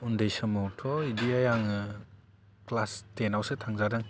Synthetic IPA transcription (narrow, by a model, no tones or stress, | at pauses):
undejsɯmɔtʰɔidijajaŋɯ | klastenawsɯtʰaŋzadɯŋ